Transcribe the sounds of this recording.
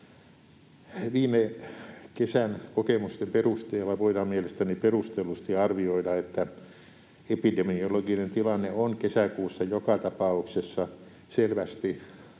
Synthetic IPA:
ʋiːmekesænkokemust̪emperust̪eːlːɑʋoidɑmmielest̪æniperust̪elust̪iɑrʋioidɑet̪ːæ | epidemioloɡinent̪ilɑnːeoŋkesækuːsːɑjokɑt̪ɑpɑuksesːɑ | selʋæst̪i

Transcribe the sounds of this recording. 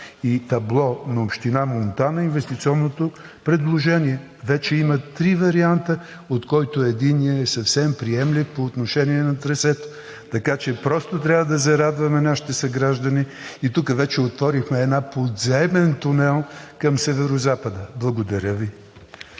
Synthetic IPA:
it̪ɐblˠɔnɐopʃt̪inamont̪anɐinvɛst̪it̪siɔnːot̪o | pɾɛd̪lˠoʒɛniɛ | vɛt͡ʃɛimɐt̪ɾivɐɾiant̪ə | ot̪kɔjt̪ʊɛd̪iniəɛsɐfsɛmpɾiɛmlifpoːt̪noʃɛniɛnɐt̪ɾɛsɛt̪o̥ | t̪ɐkat͡ʃɛpɾɔst̪ot̪ɾʲavɐəd̪ɐzɐɾad̪vɐmɛnaʃi̥t̪ɛsɐɡɾaʒd̪əni | it̪ukəvɛt͡ʃɛot̪vɔɾixmɛːd̪napod̪zɛmɛnt̪unɛlˠkɐmsɛvɛɾozapəd̪əblˠɐɡod̪ɐɾʲəvi

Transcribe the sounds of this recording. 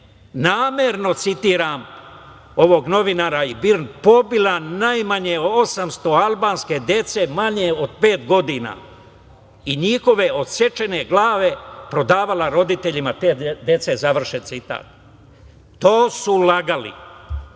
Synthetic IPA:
naːmjeɾno̞t̪sit̪iːɾaːm | o̞ʋo̞ɡno̞ʋinaːɾaibiɾnpo̞bilanajmaɲeosamst̪o̞albaːnske̞d̪je̞t̪se̞maɲe̞o̞d̪pe̞ːt̪ɡo̞d̪ina̰ː | iɲixo̞ʋe̞o̞d̪se̞t͡ʃe̞ne̞ɡlaːʋe̞pɾo̞d̪aːʋalaɾo̞d̪it̪e̞ʎimat̪eːd̪e̞t̪se̞zaʋr̩ʃent̪sit̪a̰ːt̪̚ː | oːsulaɡalḭ

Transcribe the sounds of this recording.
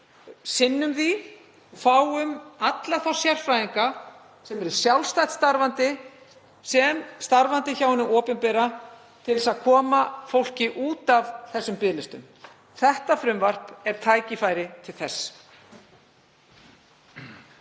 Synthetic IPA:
sɪnːʏmði | faːwʏmat̪laθɔ̥sjar̥fɾajiŋka | sɛmɛɾʏɾ̥sjawlst̪ajt̪st̪aɾvant̪ɪ | sɛmst̪aɾvant̪ɪçawhɛnːʏɔːpʏnpɛɾa | t̪ʰɪlðɛsaðkʰɔːmafowl̥cɪʔuːt̪avθɛsːʏmpɪːlɪst̪ʏm | θɛht̪afɾʏmvar̥pɛɾ̥t̪ʰaːjcɪfajɾɪt̪ʰɪlθɛsː

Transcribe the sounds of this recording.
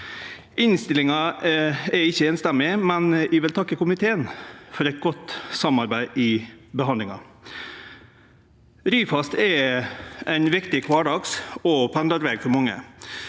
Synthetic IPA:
ɪnst̪ɪlɪŋɑ | ɛɾɪçːəeːnst̪ɛmɪmɛnɪʋɪlt̪ʰɑkːəkʊmɪt̪ʰeːənfɔɾɛɪt̪̚ɡɔt̪ːsɑmɑɾbæɪʔɪbəɦɑnd̪ɪŋɑ̰ | ɾyːfɑst̪ɛ | æɪnʋɪkt̪ɪkʰʋɑːɖɑksɔpʰænd̪ɑɾʋeːɡfɔɾmɑŋːə̰

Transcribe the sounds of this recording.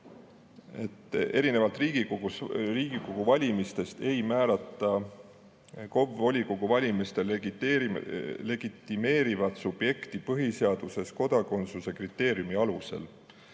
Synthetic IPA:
e̞t̪ːˑe̞ɾine̞vɑlt̪ˑriːɡ̥iouriːɡ̥ikoɡ̥uvɑlʲimist̪e̞st̪e̞jmæːlɑt̪ːˑɑ | ko̞bo̞lʲikoɡ̥uvɑlʲimist̪el | le̞ɡ̥it̪ˑːime̞ːɾivɑd̪sub̥je̞kt̪ipɤɦiseɑd̪̥use̞sko̞d̪̥ɑko̞nt̪suse̞krit̪ːe̞ːɾjumiɑluse̞̰l

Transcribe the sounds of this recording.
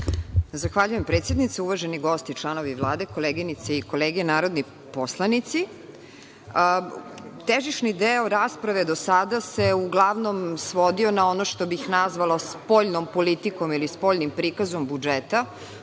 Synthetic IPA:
zaxʋaʎujempɾet̪sjed̪nit̪seuʋaʒeniɡo̞st̪it͡ʃlˠano̞ʋiʋlˠaːd̪e̞ko̞leːɡinit̪seiko̞leːɡienaːɾod̪ni | poslˠanit̪si | t̪eʒiʃnid̪eoɾaspɾaʋe̞d̪osad̪ase̞uɡlˠaʋno̞msʋo̞d̪io̞nao̞noʃt̪o̞bixnazʋalospo̞ʎnompolit̪iko̞milispo̞ʎnimpɾikazo̞mbud͡ʒet̪a

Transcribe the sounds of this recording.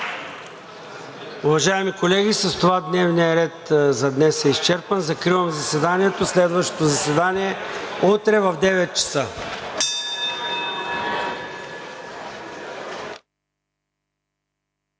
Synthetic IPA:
uvɐʒaɛmikolɛɡʲisɐst̪ovad̪nɛvnijɐɾɛt̪zɐd̪nɛsɛist͡ʃɛɾpənzɐkɾivəmzɐsɛd̪aniɛt̪oslɛd̪vəʃt̪o̥t̪ozɐsvɛd̪aniɛot̪ɾɛvɐvd̪ɛvɛt̪̚t͡ʃɐ̥sə

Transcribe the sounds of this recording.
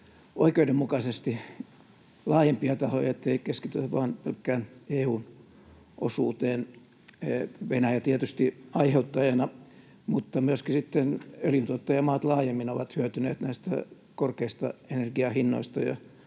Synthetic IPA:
ʔoikeidemmukɑsest̪i | lɑːjempiɑt̪ɑho̰jɑet̪ːeikeskit̪yʋʋɑ̰ːnpelkːæːneːuːn | ʔo̰sṵːt̪eːn | ʋenæjæt̪iæt̪yst̪iɑiheut̪ːɑjɑnɑ | mut̪ːɑmyøskisit̪ːenøljynt̪uot̪ːɑjɑmɑːt̪lɑːjemːinoʋɑt̪hyøt̪yneːt̪næist̪æ̰ | korkeist̪ɑ̰enerɡiɑhinːo̰ist̪ɑjɑ̰

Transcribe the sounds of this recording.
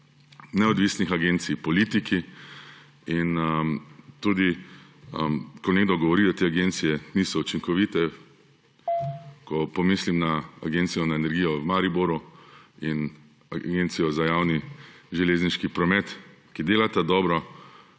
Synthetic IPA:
nɛɔd̪ʋisnixaɡent̪sijpɔlit̪iki | inəmt̪ud̪i | əkɔneːɡd̪ɔɡɔʋɔɾiːd̪at̪eːaɡent̪sijɛnisɔut͡ʃiŋkɔʋiːt̪ɛ | kɔpɔmislimnaa̰ɡent̪sijɔnaenɛɾɡiːjɔwmaɾiboɾuin | aɡent̪sijɔzajawniʒɛleːzniʃkipɾɔmɛt̪kid̪eːlat̪ad̪ɔːbɾɔ

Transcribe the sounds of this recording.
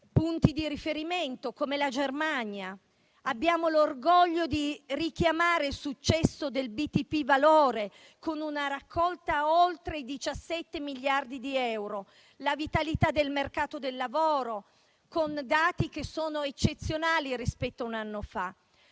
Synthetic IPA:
punt̪id̪iɾifeɾiment̪okomelad͡ʒermaɲja | abːjaːmolorɡɔʎːod̪irik̟jamaːɾelsut͡ʃːɛsːod̪elbit̪ipːivaloːɾe | konunaɾakʰːɔlt̪aolt̪ɾeid̪it͡ʃasːɛt̪ːemiʎːard̪id̪iɛwɾo | lavit̪alit̪ad̪elmerkaːt̪od̪elːavoːɾo | kond̪aːt̪ikesoːnoet͡ʃːet̪sːjonaːlirispɛt̪ːaunanːofa

